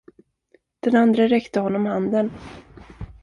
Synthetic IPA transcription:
d̪̥ɛnand̪ɾəɾɛkt̪əhɔnːɔmhand̪ən

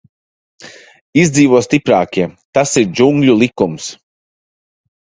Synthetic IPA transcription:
izd̪ziːvuɔst̪ipɾaːkʲiɛt̪asiɾd͡ʒuŋɡʎʲulˠikums

